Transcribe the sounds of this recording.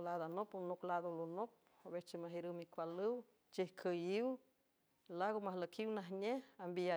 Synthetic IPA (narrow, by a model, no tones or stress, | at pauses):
lad̪anopunoklad̪olonop̚ | oβet͡ʃimaɦiɾɨwmikʷalɨw | t͡ʃihkʰəjiw | laɣomahləkʰiwnaɦɲeambia